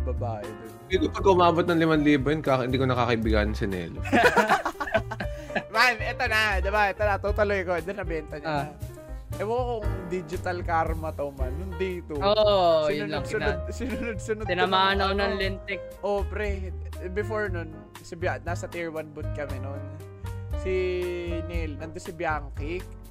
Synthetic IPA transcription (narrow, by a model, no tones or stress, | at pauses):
bɐbaːʔɛb̪ɐɪd̪iːkopɐɡʔʊmaːbot̪̚nɐŋlɪmanliːbojonkahɪnd̪iːkonɐkakɐɪbɪɡanɐŋsɪnɛ̰ːlɪ | manʔɛt̪onad̪ɪbaɛt̪onɐt̪ot̪ɐlojɐkoɛd̪onɐbɛnt̪ɐɲɐɐ | ʔɛwɐɡɐkoŋd̪id͡ʒɪt̪ɐlkaɾmɐt̪ɐwmanːʊnd̪iːt̪ʊosɪj̪ʊnod̪ʊnod̪̚sɪnʊnod̪̚sʊnod̪ɪnmaanɐonɐŋlɛnt̪ɛk̚ʔoːpɾɛbɪfoɹnʊn | sɪbjanasɐt̪iɹwɐnbʊt̪̚kɐmɛnon | sinɛlnɐnd̪osɪbjaŋkik̚